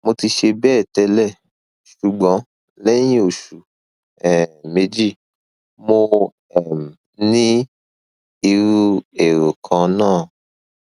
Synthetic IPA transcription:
mo˧ti˧ʃe˧bɛː˦˨tɛ˧lɛ˦˨ | ʃu˨ɡ͡bɔ̃˨˦ | lɛ˦j̃ĩ˦o˨ʃu˨ | ɛ˨me˧d͡ʒi˦˨ | mo˧ | ɛ˨m˨ | nĩ˦ | i˧ɾu˦e˨ɾo˨kʰã˧nãː˦˨

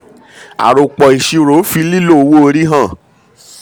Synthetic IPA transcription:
a̰˨ɾo˨k͡pɔ˨i˨ʃi˧ɾo˨˦fi˧li˦lo˦˨˧wo˦˧ɾi˦ɦã˦˨

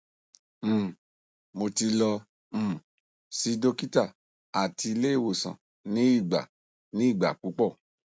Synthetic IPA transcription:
mo˧ti˧lɔ̃˧˨ | si˨˦do˦ki˦ta˦˨ | a˨ti˧i˧le˦i˦˨wo˨sã̰˨ | nĩ˦i˦˨ɡ͡ba̰˨ | nĩ˦i˦˨ɡ͡ba̰˨k͡pu˨˦k͡pɔ˦˨

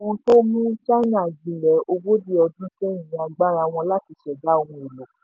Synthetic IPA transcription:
õ˧˦to˦mũ˦t͡ʃa˦na˨ɡ͡bi˨lɛ˨˦o˧wo˦di˦ɔ˧dũ˦kɛ˦˨ĩ˨a˧ɡ͡ba˦ɾa˧˨w̃ɔ̃˧la˦ti˨˧ʃɛ˨da˦o˧wɔ̃˧e˨lo˨˦

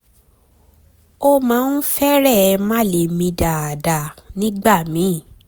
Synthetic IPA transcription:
o˦mãː˨˦n̩˦fɛ˦ɾɛ˦˨˧mã˦˨le˨mĩ˧da˨a˨da˨nĩ˦ɡ͡ba˦˨mĩ˨˦˨

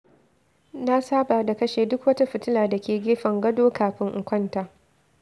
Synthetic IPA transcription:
na˦saː˦ba˨da˨kɐ˦ʃeː˨dʊ˦kwɐ˦ta˦ɸɪ˨tɪ˦laː˨da˨kʲeː˨ɡʲeː˦ɸɐ˨ŋɡɐ˦doː˦kaː˨ɸɪ˦ŋʔʊ˨kʷɐ˦ntaː˨

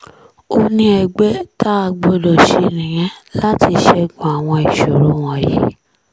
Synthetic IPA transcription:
o˧nĩ˧ɛ˨ɡ͡be˦ta˦a˧ɡ͡bo˧dɔ˨ʃe˧ɾĩ˨j̃ɛ̃˦la˦ti˧ʃɛ˧ɡũ˨a˨w̃ɔ̃˧i˨ʃo˨ɾo˨˦w̃ɔ̃˧jḭ˦

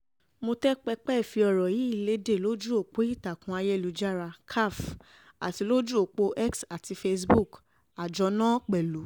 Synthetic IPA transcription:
mo˧tɛ˦k͡pɛ˧k͡pɛ˦˨fi˧ɔ˨ɾɔ˨ji˨˦i˦˨le˨˦de˦˨lo˦d͡ʒu˦o˦˨k͡po˨˦i˦˨ta˨kũ˧˦a˧jɛ˦˨lu˨˦d͡ʒa˦ɾa˧kʰa˦˨f | a̰˨ti˧˦lo˦d͡ʒu˦o˦˨k͡po˦ʔɛ˦ksa˨ti˨˧fe˧sbu˦˨k | a˨d͡ʒɔ˧˦nã˦k͡pɛ˨lu˨˦

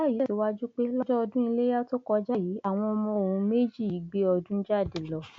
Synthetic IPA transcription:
a˦˨ji˨˦˨si˨˦wa˦d͡ʒu˦k͡pe˦lɔ˦d͡ʒɔ˦ɔ˧dũ˦i˧le˦ja˦to˦kɔ˧d͡ʒa˦ji˨˦a˦˨w̃ɔ̃˧ɔ˧mɔ̃˧o˨ũ˨˧˦me˦d͡ʒi˦˨i˨˦ɡ͡be˦ɔ˧dũ˦d͡ʒa˦˨de˨lɔ˨˦

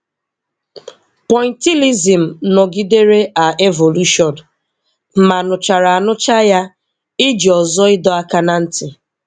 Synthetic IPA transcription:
pɔ˨jnti˦li˦zi˨m̩˨nɔ˨ɡi˦de˦ɾe˦ʔa˨e˦vo˨lu˦ʃɔ˨n | m̩˦ma˨nʊ˨t͡ʃa˨ɾa˨a˨nʊ˦t͡ʃa˦ja˦ | ɪ˦d͡ʒi˨ɔ˨zɔ˦ɪ˦dɔ˦a˦ka˦na˦n̩˦tɪ˨

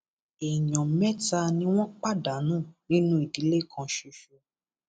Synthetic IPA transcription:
e˨ɲɔ̃˨mɛ˦ta˧nĩ˦w̃ɔ̃˦k͡pa˦˨da˨˦nũː˦˨nĩ˨˦nũ˦i˨di˨˦le˦˨kʰã˧ʃu˧ʃu˧

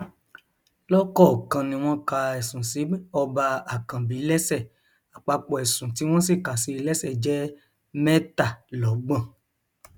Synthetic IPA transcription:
lɔ˦kɔ˦˨kã˧nĩ˧w̃ɔ̃˦ka˧ɛ˨sũ˨si˨˦ɔ˧ba˧a˨kã˨bi˨˦lɛ˦sɛ˦˨ | a˨k͡pa˧k͡pɔ˨ɛ˨sũ˨ti˨˦w̃ɔ̃˦si˦˨ka˨si˧lɛ˦sɛ˦˨d͡ʒɛ˦ | mɛ̃˦ta˦˨lɔ˨˦ɡ͡bã˦˨

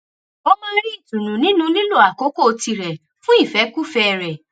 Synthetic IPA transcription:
ɔ˦mãː˦˧˦ɾi˦i˦˨tũ˨nũ˨nĩ˨˦nũ˧lĩ˦lo˦˨a˨ko˨˦ko˦˨o˧ti˧ɾɛ˨ | fũ˦i˦˨fɛ˨˦ku˦fɛ˧ɾɛ˨

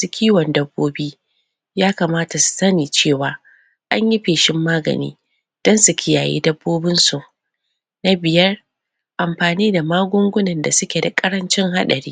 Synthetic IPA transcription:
sʊ˦kʲʰiː˦wɔ˨ndɐ˦bːoː˦biː˦ | jaː˦kaː˨maː˦ta˨su̥˨sɐ˦niː˨t͡ʃeː˦˨waː˨ | ʔa˦ɲji˦ɸeː˨ʃɪ˦mːaː˦ɡɐ̰˨nḭː˦ | d̥ɔ˦nsu˨kʲʰɪ˦ja̰ː˨jḭː˦dɐ˦bːoː˦bɪ˦nsu˨ | na˦bɪ˨jɐ˦r | ʔa˨mɸaː˨niː˦da˨maː˦ɡʷʊ˦ŋɡʷʊ˦nɐ˨nda˨sʊ˦kʲe˨da˨kʼɐ˦ɾɐ˦nt͡ʃɪ˦ŋɦa˦ɗɐ˨ɾḭː˦

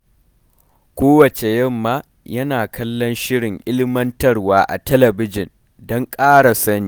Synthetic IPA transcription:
kʷoː˦wɐ˨t͡ʃe˨jɐ˦mːaː˦ | jɐ˦naː˨kɐ˦lːɔ˦nʃɪ˦ɽɪ˨ŋʔɪ˦lɪ˦mɐ˦ntɐ˦rwaː˦ʔa̰˨tɛ˦lɐ˨bɪ˦d͡ʒɪ˨n | dɔ˦ŋkʼaː˦ɽa˨sɐ˦niː˨˦

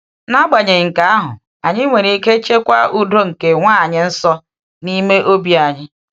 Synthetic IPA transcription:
na˦ɡ͡ba˨ɲe˨ŋ̩˨ka˨a˦ɦʊ̰˨ | a˨ɲɪ˦ŋʷe˨ɾi˨i˦ke˦t͡ʃe˦kʷa˦u˦do˦ŋ̩˨ke˨ŋʷa˦a˨ɲɪ˦n̩˦sɔ˦ | ni˦me˦ʔo˦bi˦a˨ɲɪ˦

